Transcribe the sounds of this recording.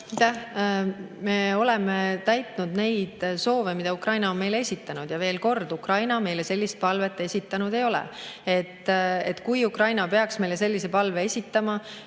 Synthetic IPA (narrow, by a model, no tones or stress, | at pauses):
t̪ːæ | me̞o̞lɛmet̪æjt̪ˑnud̪ne̞jd̪̥so̞ːvemid̪̥ɑukrɑjnɑo̞nme̞jle̞sʲit̪ːˑɑnud̪̥jɑve̞ːlko̞rd̪̥ukrɑjnɑme̞jle̞se̞lːist̪̚pɑlve̞t̪ːˑe̞sʲit̪ːˑɑnud̪e̞jo̞lɛ̰e̞t̪ːˑet̪ːkujukrɑjnɑpe̞ɑksme̞jle̞s̬e̞lːise̞pɑlveesʲit̪ːɑmɑ